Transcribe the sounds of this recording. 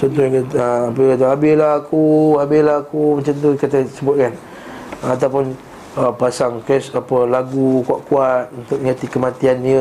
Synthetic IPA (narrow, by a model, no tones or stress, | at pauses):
t͡ʃɔnt̪̬ɔhakəapəkat̪̬aɦabɪlahakuɦabɪlaakumat͡ʃamt̪̬ukat̪asəbʊt̪̚kan | at̪awpʊn | əpasaŋkɛsapəlaɡukuaʔ̪̚kuat̪̚unt̪ʊk̚ɲãt̪ikəmãt̪ianiə